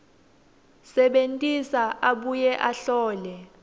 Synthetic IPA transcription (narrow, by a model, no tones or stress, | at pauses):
sɛɓentʼisaʔaɓujɛʔaɬɔːlɛ